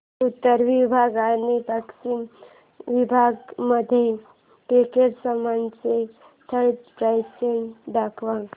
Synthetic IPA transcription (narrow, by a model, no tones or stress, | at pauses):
ut̪ːəɾʋibʱaɡanipaksim | ʋibʱaɡməd̪ʱːje | pekeɽsəmant͡se | t̪ʰəɾɖpɾajsenɖakʰʋã